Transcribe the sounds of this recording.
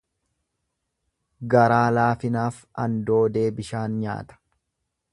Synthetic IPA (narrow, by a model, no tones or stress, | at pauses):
ɡɐɾaːlaːfɪnaːf | ɐnd̪o̞ːd̪e̞ːbɪʃaːnɲa̰ːt̪ɐ̥